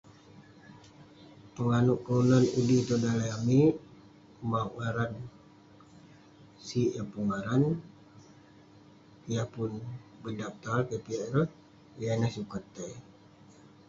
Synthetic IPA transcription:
pəŋanuʔkaunanudit̪odalaami | maŋaɾan | siəpuŋaɾan | ijapʊnbədap̚t̪alkepiɛrə | janahsukat̪ːe

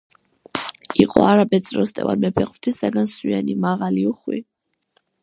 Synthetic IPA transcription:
iqʼɔ̰aɾabɛd̪sʼɾɔst̪ʼɛ̰va̰d̪mɛpʰɛqʼwt̪ʰisaɡanswianimaʁaliuχwḭ

